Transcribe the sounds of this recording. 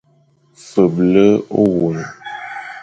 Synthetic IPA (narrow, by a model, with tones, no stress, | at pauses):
fə˨blə˦o˦wu˨n˨